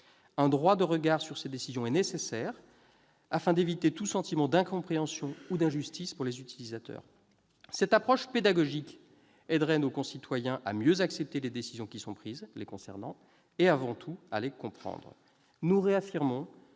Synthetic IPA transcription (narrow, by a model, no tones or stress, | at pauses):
ɛ̃d̪ʁwad̪əʁəɡaʁsyʁsed̪esizjɔ̃ɛnesesɛʁ | afɛ̃d̪evit̪et̪usɑ̃t̪imɑ̃d̪ɛ̃kɔ̃pχeɑ̃sjɔ̃ud̪ɛ̃ʒyst̪ispuʁlezyt̪ilizat̪œ̰ːʁ | sɛt̪apχɔʃped̪aɡɔʒik | ɛd̪ʁɛnokɔ̃sit̪wajɛ̃ʔa̰mjøzaksɛp̚t̪eled̪esizjɔ̃kʲisɔ̃pχizlekɔ̃sɛ̰ʁnɑ̃ | eavɑ̃t̪ʰua̰lekɔ̃pχɑ̰̃d̪ʁ | nuʁeafiʁmɔ̃